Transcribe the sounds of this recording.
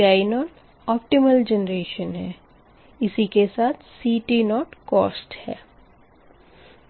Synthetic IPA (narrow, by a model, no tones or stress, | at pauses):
aːinɔːʈ | ɔːpʈɪməld͡ʒənɾeːʃənɦɛː | ɪsikesaːt̪ʰsiːʈinɔːʈkɔ̰ːsʈhɛ̰ː